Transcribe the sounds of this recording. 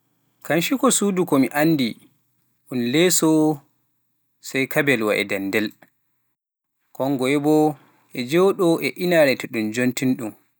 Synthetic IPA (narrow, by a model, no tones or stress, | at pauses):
kanʃikɔsudukɔmiʔanːdi | ʔunlɛsɔ | sajkabɛlwa̰ʔɛ̰dɛndɛl | kɔŋɡɔɛbɔ | ʔɛd͡ʒɛwɗɔʔɛʔinaɾɛtɛɗumd͡ʒontinɗum